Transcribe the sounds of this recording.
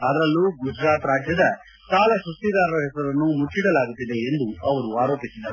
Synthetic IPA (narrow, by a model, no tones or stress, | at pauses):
ɐd̪ɾɐlːuɡud͡ʒɾaːt̪ɾaːd͡ʒjɐd̪ɐ | saːlɐsust̪id̪aːɾɐɾɐɦɛsɐɾɐnːumut͡ʃːiɽɐlaːɡut̪ːid̪e̞ːnd̪uɐʋɐɾuaːɾo̞ːpisid̪ːɐɾ